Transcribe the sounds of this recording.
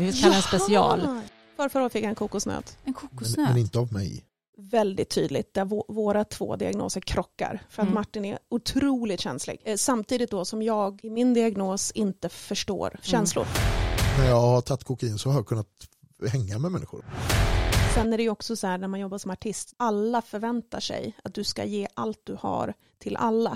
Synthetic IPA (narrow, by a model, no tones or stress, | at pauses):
kʰaspɛsɪɑ̰ːl | fœːɾfœɾaoːt̪fɪkːjaɛnkʰuːkʊsnø̰ːd̪ɛnkʰuːkɛnɪnt̪əavmɛ̰j | vɛld̪ɪt̪ʰːy̰ːd̪lɪ̰t̪̚d̪̥æɾvvoːɾat̪ʰv̥o̰ːd̪ɪa̰ɡno̰ːsəɾkʰɾɔkːa̰ɾfœɾat̪maʈːɪnɛʊt̪ʰɾuːlɪt̪ɕɛnslɪ̰ɡ̥samt̪ʰiːd̪ɪt̪̚d̪ɔsɔmjɑːɡɪmɪnd̪ɪaɡnoːsɪnt̪əfœʂʈo̰ːɾɕɛnslʊ̰ɾnæɾjɑːɡhat̪ʰat̪ːkʰʊkaiːnsɔhakʰɵnːat̪ | hɛŋːamɛmɛnːɪ̰xʊ̰ɾ | sɛnːæɖɛjɵɔksɔshæːɳæɾmanjɔbːaʂɔmaʈʰɪst̪alːafœɾvɛnt̪aʂɛ̰jat̪̚d̪ɵska̰jeːʔalt̪̚d̪ɵha̰ɾ | t̪ʰɪlʔa̰lːa